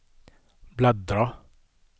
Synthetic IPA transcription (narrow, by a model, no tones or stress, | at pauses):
blad̪ɾɑ